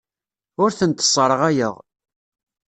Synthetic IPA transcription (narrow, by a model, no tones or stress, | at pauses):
ʊɾθənt̪ə̥sˤːəɾˤəʁæjə̰ʁ